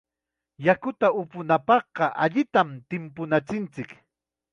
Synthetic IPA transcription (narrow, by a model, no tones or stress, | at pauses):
jakʊt̪aʊpʊnapɑχqɑʔa̰ʎɪt̪amt̪ɪmpʊnat͡sɪnt͡sɪk